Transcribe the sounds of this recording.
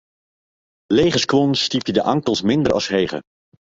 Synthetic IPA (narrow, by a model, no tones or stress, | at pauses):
lejχəskʋɔnstipjədəʔɑŋkəlˠsmɪndəɹɑ̰sɦejχə̰